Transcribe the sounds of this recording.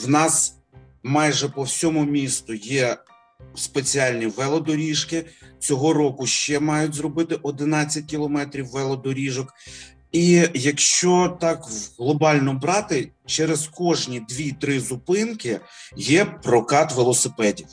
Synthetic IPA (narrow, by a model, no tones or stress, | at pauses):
wnɑs | mɑjʒɛpɔwsʲɔmʊmʲist̪ʊjɛ | spet͡sʲiɑlʲnʲiʋɛlˠɔd̪ɔɾʲiʃkɪt͡sʲɔɦɔɾɔkʊʃt͡ʃɛmɑjʊtʲzrɔbɪt̪ɪʔɔd̪ɪnɑt͡sʲːɐt̚ʲkʲilˠɔmɛt̪ɾʲiwːɛlˠɔd̪ɔɾʲiʒɔk | ijɐkʃt͡ʃɔt̪ɑkɦlˠɔbɑlʲnɔbɾɑt̪ɪt͡ʃɛɾezkɔʒnʲid̪ʋʲit̪ɾɪzʊpɪnkɪjɛpɾɔkɑt̪ʋelˠɔsɪpɛdʲiw